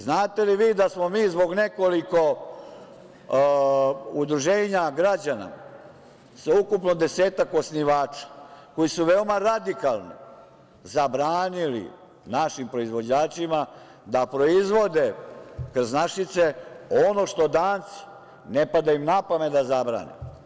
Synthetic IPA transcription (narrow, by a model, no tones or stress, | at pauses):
znaːt̪e̞liʋiːd̪asmo̞miːzbo̞ɡne̞ko̞liko̞ | ud̪ɾuʒeːɲaɡɾad͡ʑana̰ | saukupnod̪e̞seːt̪ako̞sniʋaːt͡ʂḁko̞jisuʋe̞omaɾad̪ikalˠnḭ | zabɾaːnilḭ | naʃimpɾo̞izʋo̞d͡ʑaːt͡ʃima | d̪apɾo̞izʋo̞d̪ekrznaʃit̪se̞o̞no̞ʃt̪o̞d̪aːnt̪si̥ | nepad̪aimnapamet̪d̪azabɾa̰ːnḛm